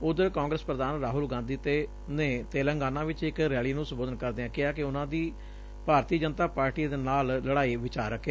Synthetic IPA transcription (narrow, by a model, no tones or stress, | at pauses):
ʊd̪əɾkãːŋɡɾəspɾəd̪aːnɾaːɦʊlɡãːnd̪iːt̪eː | nẽːt̪eːləŋɡaːnãːʋɪt͡ʃɪkɾɛːliːnũːsə̃mboːd̪ənkəɾd̪eːãːkɪaːkɪʊnãːd̪iː | paːɾt̪iːd͡ʒənt̪aːpaːɾʈiːd̪eːnaːlləɽaːiːʋɪt͡ʃaːɾəkʰːeː